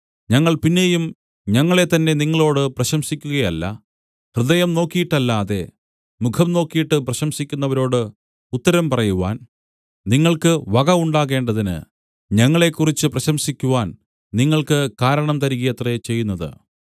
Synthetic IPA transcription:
ɲɐŋːɐɭpinːe̞jum | ɲɐŋːɐɭe̞t̪ɐnːe̞niŋːɐɭo̞ːɽɨprɐɕɐmsikʲːuɣɐjɐlːɐ̰ | hrɨðɐjɐmno̞ːkːijiʈːɐlːaːðe̞ | mukʰɐmno̞ːkːijiʈːɨprɐɕɐmsikʲːunːɐʋɐɾo̞ːɽɨ | ut̪ːɐɾɐmpɐrɐjuʋa̰ːn | niŋːɐɭkɨʋɐɣɐuɳɖaːɣe̞ːɳɖɐðinɨ̰ | ɲɐŋːɐɭe̞kːurit͡ɕːɨprɐɕɐmsikʲːuʋaːn | niŋːɐɭkɨkaːɾɐɳɐmt̪ɐɾiɣijɐt̪ret͡ɕe̞jːunːɐðɨ̰

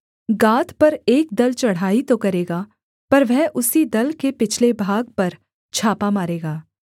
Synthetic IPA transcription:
ɡaːt̪pɐɾeːk̚d̪ɐlt͡ʃɐɽ̤ɦaːit̪okɐɾeːɡaː | pɐɾʋɛɦʔʊsid̪ɐlkepɪt͡ʃʰlebʱaːɡ̚pɐɾ | t͡ʃʰaːpamaːɾeːɡaː

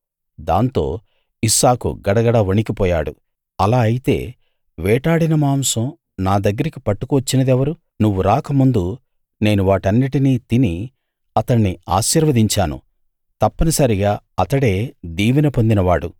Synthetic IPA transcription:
d̪a̰ːnt̪o̞̰ː | isaːkṵɡɐɽɐɡɐɽɐʋɐnikipɔːjaːɽu | ɐlaːɐjit̪e̞ː | ʋɛːʈaːɽinɐmaːmsɐm | naːd̪ɐɡːɐɾikipɐʈːu̥kuʋɐt͡ʃːinɐd̪ɛʋɐɾu | nuʋːuɾaːkɐmund̪u | ne̞ːnuʋaːʈɐnːiʈiniːt̪ini | ɐt̪ɐɳːia̰ːʃiːɾʋɐd̪iɲt͡ʃaːnṵ | t̪ɐpːɐnɐsɐɾiɡaː | ɐt̪ɐɽe̞ːd̪iːʋinɐpo̞nd̪inɐʋaːɽṵ

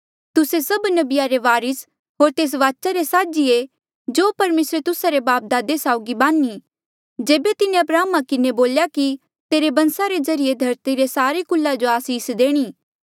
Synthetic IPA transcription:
t̪ʊsesɐbnɐbɪjaɾeʋaːɾɪs | ɦoːɾt̪eːs̬ʋaːt͡ʃaɾesaːd͡ʒie | d͡ʒoːpɐɾmeːsɾet̪ʊsaɾebaːp̚d̪aːd̪esaːʊɡibãːnːi | d͡ʒeːbet̪ɪnẽɐpɾaːmakɪneboːljaki | t̪eːɾebɐ̃nsaɾezɐɾijed̪ʱɐɾt̪iɾesaːɾekʊlːad͡ʒoaːsiːsd̪eːɽ̃iː

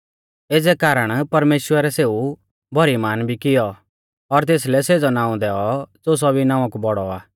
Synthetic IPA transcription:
eːd͡zɛkaːɾəɽ̃pɐɾmeːʃwəɾɛseːu | bʱɔɾimaːnbʱikɪjɔ | ɔɾt̪̬eːs̬lɛseːd͡zɔnaːũd̪ɛːɔd͡zoːs̬ɔbinãːʋãkubɔɽɔaː

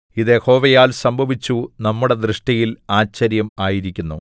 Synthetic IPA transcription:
iðeho̞ːʋɐjaːlsɐmbʱɐʋit͡ɕːunɐmːuɽe̞d̪rɨʂʈɐjilaːt͡ɕːɐɾjɐmaːjiɾikʲːunːṵ

